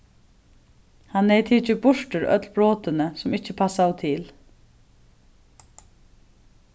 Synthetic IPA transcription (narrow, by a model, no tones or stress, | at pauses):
hanːejt̪ʰiːt͡ʃɪbʊʂʈʏɾœ̰t̪lbɾoːt̪ɪnəsʊmɪcːəpʰasawt̪ʰɪl